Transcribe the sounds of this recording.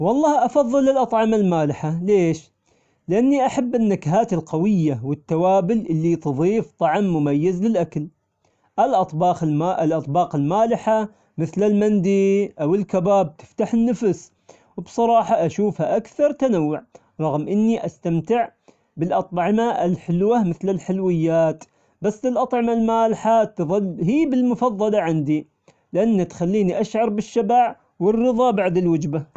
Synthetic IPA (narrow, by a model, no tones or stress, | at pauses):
wɑlˤːɑːhʔɑfɑðˤːɨlɪlʔɑt̪ˤʕɪmalmaːlɪħaleːʃ | lɪʔanːiʔaħabːɪnːakɦaːt̪ɪlqawɪjːawɪt̪ːawaːbɪlʔɪlːit̪ɨðˤiːft̪ˤɑʕmːʊmajːazlɪlʔakl | ʔalʔɑt̪ˤbɑːxʔɪlʔɑt̪ˤbɑːqɪlmaːlɪħa | mɪθlɪlmand̪iʔawɪlkabaːb̚t̪ɪ̥ft̪aħɪnːafs | wbsˤɑɾˤɑːħɑʔaʃuːfhaʔakθɑɾˤt̪anawːʊʕ | ɾˤɑɣmʔɪnːiʔast̪amt̪ɪʕ | bɪlʔɑt̪ˤʕɪmaɪlħɪlwamɪθlɪlħɪlwɪjːaːt̪ | basːɪlʔɑt̪ˤʕɪmalmaːlħat̪ðˤɨlɦiːbɪlmʊfɑðˤːɑlɑʕɪnd̪i | lɪʔanːat̪xalːiːniʔaʃʕɑɾˤbɪʃːabaʕ | wɪrːɨðˤɑbaʕd̪ɪlwɪd͡ʒba